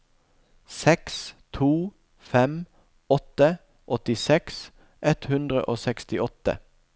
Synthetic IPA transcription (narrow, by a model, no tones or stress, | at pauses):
sɛkst̪ʰuː | fɛm | ɔt̪ə | ʔɔt̪ɪsɛks | ʔɛt̪hʉnd̪ʁə̰ʔoːsɛkst̪ɪɔt̪ə̰